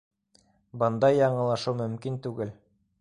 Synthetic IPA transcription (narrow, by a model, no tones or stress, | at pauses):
bɤ̆nd̪ɑjɑɴɤ̆lˠɑʃɤwmɵ̆mkint̪ʉɡɘl